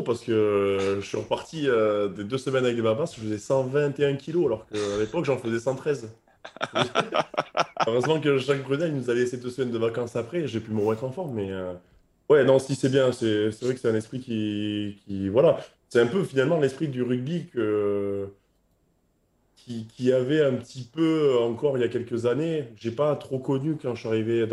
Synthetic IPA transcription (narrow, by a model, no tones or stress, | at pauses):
paʁsə̥kəʒəsɥiʁəpaʁt̪iød̪ed̪øsəmɛnavɛk̚d̪ebabasʒəfəzɛsɑ̃vɛ̃t̪eɛ̃kʰʲiloalɔʁkəalepɔkʒɑ̃fəzɛsɑ̃t̪χɛz | øʁœzmɑ̃kəʒak̚bʁynɛlilnuzalesed̪øsmɛnd̪əvakɑ̃sapχɛʒepyməʁəmɛt̪χɑ̃fɔʁmmɛø | wɛnɔ̃sisɛbjɛ̃sɛsɛvʁɛkəsɛt̪ɛ̃nɛspχikʲikʲivwala | sɛɛ̃pøfinalmɑ̃lɛspχid̪yʁyɡ̚bikə | kʲʰikʲʰiavɛɛ̃pət̪ipøɑ̃kɔʁiljakʲɛlkəzaneʒepat̪χokɔnykɑ̃ʃɥaʁive